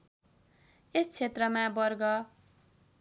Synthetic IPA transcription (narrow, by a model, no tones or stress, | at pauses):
est͡sʰet̪rʌmãbʌrɡʌ